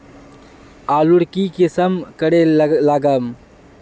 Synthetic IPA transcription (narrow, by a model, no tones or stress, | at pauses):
aːluɽkikɪsəmkəɽelaɡəm